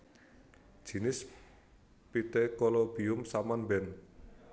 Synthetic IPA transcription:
d͡ʒ̥i̤nɪs | pit̪ekɔlobiʊmsamanbɛn

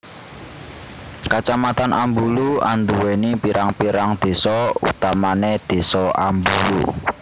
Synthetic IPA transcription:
kat͡ʃamat̪anʔambulua̰nd̪uwenipiɾaŋpiɾaŋd̪̥e̤sɔṵt̪amaned̪̥e̤sɔambulṵ

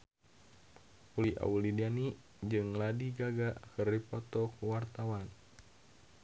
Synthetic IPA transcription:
puliʔa̰ulidani | d͡ʒɨŋladiɡaɡaʔkɨripɔt̪ɔkuwart̪awan

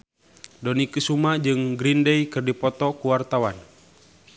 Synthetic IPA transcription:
dɔnikɨsumad͡ʒɨŋɡɾindɛikɨrdipɔt̪ɔkuwart̪awan

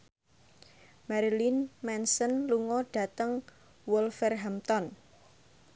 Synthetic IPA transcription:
maɾilinmɛnsənluŋɔɖ̥ä̤t̪əŋ | wɔlfɛrɦamt̪ɔn

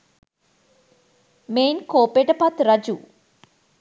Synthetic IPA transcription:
mejnkoːpeʈəpat̪rɐd͡ʒu

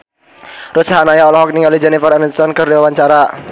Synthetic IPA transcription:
ɾusaɦanajaɔlɔɦɔk̚niŋalid͡ʒɛnifərɾanisɔnkɨrdiwawaɲt͡ʃaɾa

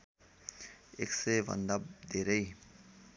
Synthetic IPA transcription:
ḛːkseʋə̰̃nd̪ab̚d̪eːɾəi

